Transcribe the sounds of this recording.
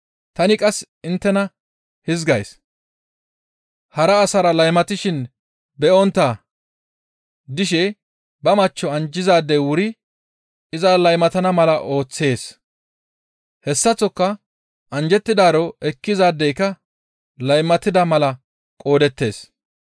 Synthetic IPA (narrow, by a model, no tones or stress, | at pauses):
t̪ɐnɪkʼɐs | ɪnt̪ːɛnɐ | hɪzɡɐjs | hɐɾɐːsɐɾɐlɐjmɐt̪ɪʃɪn | bɛʔɔnt̪ːaː | d̪ɪʃ̬ɛ | bɐmɐt͡ʃːɔɐnd͡ʒɪzaːd̪ːɛjwʊɾɪ | ɪzɐlɐjmɐt̪ɐnɐmɐlɐʔo̞ːt͡sːe̞ːs | hɛsːɐt͡sːɔkːɐ | ʔɐnd͡ʒɛt̪ːɪd̪aːɾɔʔɛkːɪzaːd̪ːɛjkːɐ | lɐjmɐt̪ːɪd̪ɐmɐlɐ | kʼo̞ːd̪ɛt̪ːe̞̰ːs